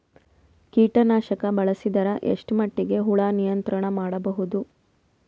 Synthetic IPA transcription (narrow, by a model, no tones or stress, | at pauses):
kiːʈɐnaːʃɐkɐbɐɭɐsid̪ɐɾɐʔḛʂʈmɐʈːiɡe̞ɦuɭaːnijɐnt̪ɾɐɳɐmaːɽɐbɐɦud̪u